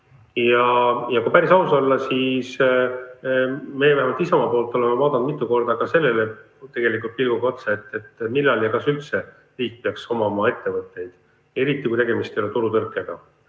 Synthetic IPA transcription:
jɑjɑkupæɾisɑusolːɑsis | me̞jevæhemɑlt̪isɑmɑpoːlt̪ːˑo̞lemevɑːd̪ɑnd̪mit̪ˑːuko̞rd̪̥ɑkɑse̞lːe̞le̞ | t̪e̞ɡ̥e̞likˑult̪̚pilɡ̥uko̞t̪set̪ːˑe̞t̪ːmilːɑljɑkɑsylt̪se̞ | riːk̚peɑkso̞mɑmɑe̞t̪ːe̞vɤt̪ːˑe̞jd̪̥ | e̞ɾit̪ːˑikujt̪e̞ɡe̞mist̪ejolet̪uɾut̪ɤrkːˑeɡ̥ɑ

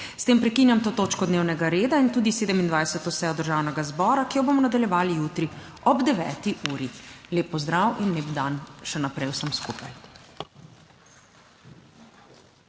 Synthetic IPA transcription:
st̪eːmpɾɛkinjamt̪oːt̪oːt͡ʃkɔd̪neːwnɛɡaɾeːd̪aint̪uːd̪iseːd̪ɛmind̪ʋajsɛt̪ɔsɛjɔd̪əɾʒaːwnɛɡazbɔːɾakijɔbomɔnad̪aljɛʋaːlijuːt̪ɾi | ɔbd̪ɛʋɛ̰ːt̪iʔuːɾileːpːɔzd̪ɾawinleːpd̪anʃɛnapɾɛjwsəmskuːpaj

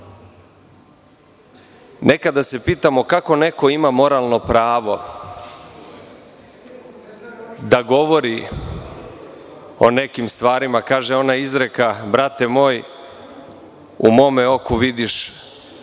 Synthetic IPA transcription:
nʔe̞kad̪ːase̞piːt̪amo̞kako̞ne̞ko̞imamo̞ɾalˠno̞pɾaːʋo̞ | d̪aɡo̞ʋo̞ɾi | o̞̰ne̞kimst̪ʋaːɾimakaːʒeo̞naizɾekabɾat̪e̞mo̞ːj | umo̞ːmeo̞kuʋid̪iʃ

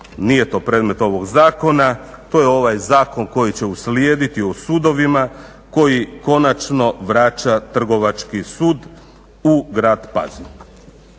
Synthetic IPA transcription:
nije̞t̪o̞ːpɾe̞ːd̪me̞t̪o̞ʋo̞ɡzaːko̞nat̪o̞ːjeo̞ʋajzaːko̞nko̞jit͡ɕe̞usljeːd̪it̪iosuːd̪o̞ʋima | ko̞jiko̞nat͡ʃno̞ʋɾaːt͡ɕat̪r̩ɡo̞ʋat͡ʃkisuːd̪ | uɡɾaːd̪pa̰zin

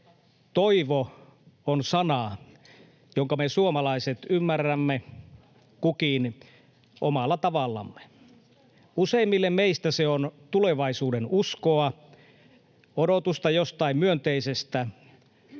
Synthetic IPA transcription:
t̪oiʋo | onsɑnɑ | joŋkɑmesuomɑlɑiset̪ymːærːæmːe | kukin | ʔomɑlːɑt̪ɑʋɑlːɑ̰mːe̥ | useimːilːemmeist̪æseont̪uleʋɑisuːdenuskoɑ | odot̪ust̪ɑjost̪ɑimmyønt̪eisest̪æ

